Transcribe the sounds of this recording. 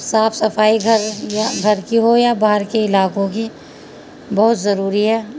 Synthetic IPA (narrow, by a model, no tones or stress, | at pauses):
saːfʰsɐfaːiɡʱɐɾjaɡʱɐɾkiɦojabaːɦəɾkeɪlaːkõki | bɐɦʊt̪zɐɾuːɾiɦɛː